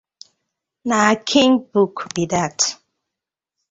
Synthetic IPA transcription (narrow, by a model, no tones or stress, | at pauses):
nakʰiŋbukbidat